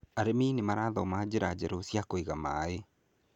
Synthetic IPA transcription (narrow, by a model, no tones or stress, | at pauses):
aɾeminemaɾaðɔmaːd͡ʒeɾad͡ʒɛɾosjakoiɣama̰e